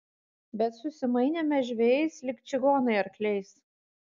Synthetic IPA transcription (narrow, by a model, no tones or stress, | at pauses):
bʲɛt̪sʊsʲɪmɐɪnʲemʲɛʒʲʋʲejɛɪslʲɪkʲt͡ʃʲɪɡoːnɐɪɐɾklʲɛɪs